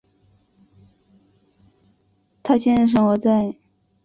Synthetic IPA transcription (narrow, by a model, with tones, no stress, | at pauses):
t̪ʰa˥ɕʰjɛ˥˧nɻə˥˧ʂ̬ɤ˥ŋwɔ˧˥t͡sa˥˩ɪ